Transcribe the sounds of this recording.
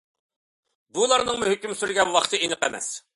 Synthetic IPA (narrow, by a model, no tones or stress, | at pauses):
bulˠɑɾnɨŋmuɦykʲymsyɾɡʲɛnwɑχt̪ʰɨenɨqɛmɛ̰s